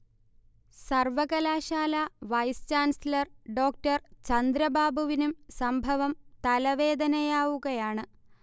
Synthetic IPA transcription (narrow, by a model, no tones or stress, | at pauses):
sɐrʋɐɣɐlaːɕaːlɐʋɐjst͡ɕaːnsilɐrɖo̞ːkʈɐrt͡ɕɐnd̪ɾɐbaːbʱuʋinumsɐmbʱɐʋɐmt̪ɐlɐʋe̞ːd̪ɐnɐjaːʋuɣɐjaːɳɨ